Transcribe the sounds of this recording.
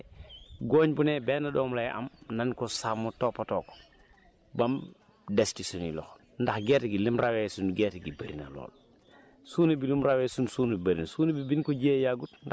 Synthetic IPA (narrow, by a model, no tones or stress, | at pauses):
ɡoːɲbunɛbɛnaɗɔːmlajʔa̰mnɐnkɔsamːutɔpatɔːkɔ̥ | bɐm | dɛstisunḭlɔ̰x | ndɐxɡɛːtɡilimrawesunɡɛːtɡibaɾḭna̰lɔ̰ːl | suːnɐbilumɾawɛːsunsuːnubɐɾinsuːnibibinkɔɟeːjaɡutnda